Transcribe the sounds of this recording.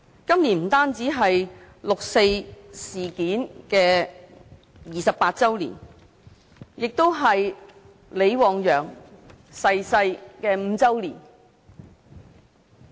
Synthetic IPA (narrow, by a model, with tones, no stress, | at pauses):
kɐ˥mliː˨˩nm̩˨˩t̪aː˥nt͡siː˨˥ɦɐ˨j | lʊ˨k̚se˧jsiː˨˩kiː˨˥nkɛː˧ | jiː˨sɐ˨p̚aː˧t̚t͡sɐ˥wlḭː˨˩n | jɪ˨k̚t̪o˥wɦɐ˨j | le˨˧jwɔː˨˧ŋjœː˨ŋ | sɐ˧jsɐ˧jkɛː˧m̩ː˨˧t͡sɐ˥wlḭː˨˩n